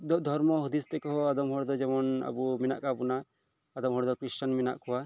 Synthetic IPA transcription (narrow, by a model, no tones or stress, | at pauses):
d̪ɔd̪ʱɔɾmɔɦud̪ist̪ɛkɔɦɔad̪ɔmɦɔɽd̪ɔd͡ʒɛmɔna̰bumina̰ʔkabunaː | d̪ɔmɦɔɽd̪ɔkɾist͡ʃanmina̰ʔkʰɔwa